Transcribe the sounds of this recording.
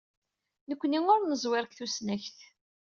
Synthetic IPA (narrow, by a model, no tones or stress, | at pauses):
nəkʷːniŋʊɾnəzˤwɪɾkθusnæçθ